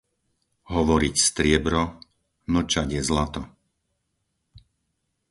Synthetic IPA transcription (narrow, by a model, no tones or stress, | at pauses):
ɦɔʋɔɾicst̪ɾɪɛbɾɔ | ml̩t͡ʃaɟjɛzlat̪ɔ